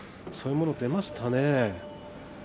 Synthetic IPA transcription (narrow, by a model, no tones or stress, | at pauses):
so̞ːɯmonod̪emasɨ̥t̪ʰane